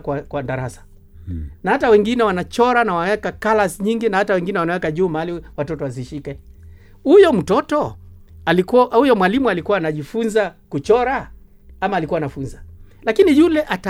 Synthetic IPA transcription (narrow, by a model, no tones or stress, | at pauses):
kwakwadaɾasḁ | nahatawɛŋɡinɛwanat͡ʃɔɾanawanawɛkakalasɲiŋɡinahatawɛŋɡinɛwanawɛkaʄuːmaaliwatɔtɔwaziʃikɛ | hujɔm̩tɔtɔ | alikuhujɔmwalimualikuwaːnaʄifunzakut͡ʃɔɾa | amaːlikuwaːnafunza | lakinijulɛʔata